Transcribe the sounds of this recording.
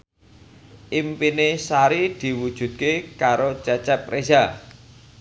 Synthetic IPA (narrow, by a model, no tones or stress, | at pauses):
ʔimpinesaɾid̪̥i̤wud̥ʒ̥ṳd̪̚kekaɾot͡ʃɛt͡ʃɛp̪̚ɾʔesa